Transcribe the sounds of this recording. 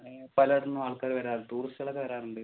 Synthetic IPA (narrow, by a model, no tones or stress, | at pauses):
pɐlɐɽunːuʋaːɭkɐːɾiʋɐɾaːrt̪uːrisɐɭɐkːɐʋɐɾaːnuɳɖɨ